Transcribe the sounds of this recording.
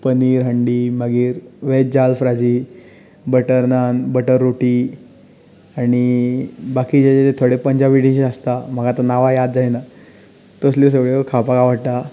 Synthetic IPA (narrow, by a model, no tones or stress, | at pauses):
pəniːɾɦəɳɖiːməɡiːɾʋed͡ʑalfɾad͡ʑi | bəʈəɾnanbəʈəɾːoʈi | aɽ̃ibakiːd͡ʑat͡ɕetet̪ʰoɽepəɲd͡ʑaʋiɽiɕeəst̪am̤əɡat̪ənaʋajad̪̚d͡zajna | t̪əsles̬əɡɭeəkʰapaɡaʋəɽʈa